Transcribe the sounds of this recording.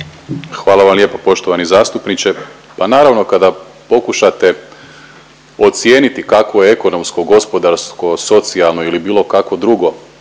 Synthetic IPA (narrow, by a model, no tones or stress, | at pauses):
xʋaːlˠaʋamljepapo̞ʃt̪oʋanizaːst̪upnit͡ʃe̞ | panaːɾaʋno̞kad̪a | po̞kuʃat̪e̞ | o̞t̪sje̞ːnit̪ikakojeeko̞no̞msko̞ɡo̞spo̞d̪aɾskoso̞t̪sialˠno̞ilibiːlˠo̞kako̞d̪ɾuɡo̞